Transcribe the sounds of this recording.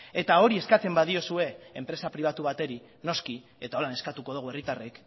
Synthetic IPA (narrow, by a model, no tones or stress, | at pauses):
e̞t̪ao̞ɾie̞skat͡se̞mbað̞io̞sue̞empɾe̞sapɾiβ̞at̪uβ̞at̪e̞ɾi | no̞ski | e̞t̪ao̞lane̞skat̪uko̞ð̞uɣue̞rit̪arek